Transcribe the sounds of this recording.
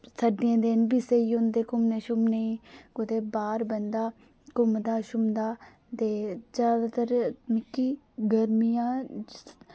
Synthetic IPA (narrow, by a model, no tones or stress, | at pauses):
səɖɪjãːd̪ɪnbiseːiːʊnd̪eːkʊmneːʃʊmneĩːkʊt̪eːbaːɾbənd̪aː | kʊmd̪aːʃʊmd̪aː | t̪eːd͡ʒjaːd̪aːt̪əɾmɪkːiː | ɡəɾmijãː